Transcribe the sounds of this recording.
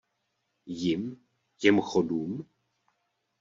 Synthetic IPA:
jɪm | jɛmxoduːm

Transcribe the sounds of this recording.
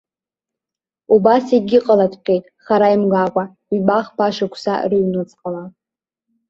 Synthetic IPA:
ubasiɡʲɪqʼəladʰqʲʼejtʼχaɾaimɡakʷʼa | ibaχpʰaʃakʷʰsa̰riɥnɨt͡sʼqʼəla

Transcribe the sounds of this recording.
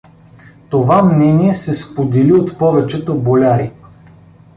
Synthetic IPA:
t̪ovamnɛniɛsɛspod̪ɛliot̪pɔvɛt͡ʃɛt̪obolʲaɾi

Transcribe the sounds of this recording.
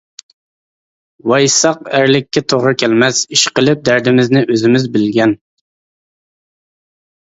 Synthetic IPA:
wɑjsɑqæɾlɪkʲːɛt̪ʰoʁɾɨkʲʰɛlmɛsiʃqəlˠɪp̚d̪æɾd̪ɪmɪznɪʔøzɪmɪzbɪlɡʲɛn

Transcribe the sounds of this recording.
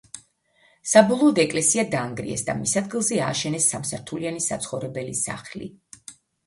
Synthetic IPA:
sabɔlˠɔːd̪ɛkʼlɛsiad̪aːŋɡɾḭɛ̰sd̪a̰misad̪ɡilˠzɛa̰ːʃɛnɛsːamsaɾt̪ʰulianisa̰t̪sʰχɔvɾɛbɛlisa̰χlḭ

